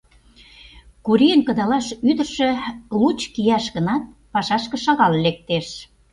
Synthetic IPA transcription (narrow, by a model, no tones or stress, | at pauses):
kuɾiənkə̆d̪ɑlɑʃyd̪ə̆rʃĕlut͡ɕkijɑʃɣənɑt̪̚ | pɑʃɑʃkə̆ʃɑɣɑllek̚t̪eʃ